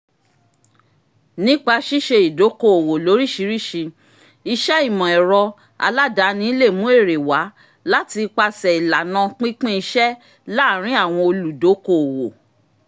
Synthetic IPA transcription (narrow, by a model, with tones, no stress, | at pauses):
nĩ˦k͡pa˧ʃi˦ʃe˧i˨do˨˦ko˦˨o˨wo˨lo˨˦ɾi˦˨ʃi˨˦ɾi˦˨ʃi˧ | i˧ʃɛ˦i˦˨mɔ̃˨ɛ˨ɾɔ˧ | a̰˧la˦da˨˦nĩ˦i˦le˦˨mũ˨˦e˦˨ɾe˨wa˨˦ | la˦ti˧k͡pa˧sɛ˨i˨la˨nã˧k͡pĩ˦k͡pĩ˦i˧ʃɛ˦ | la˦˨ɾ̃ĩ˦a˦˨w̃ɔ̃˧o˧lu˨do˨˦ko˦o˨wo˨